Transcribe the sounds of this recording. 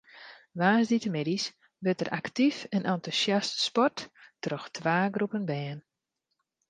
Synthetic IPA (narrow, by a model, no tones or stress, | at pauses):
ʋaːsditəmedis | bøtəɾʔaktifənʔantusjastspɔtːrɔxtʰʋaːɡrupənbɛːn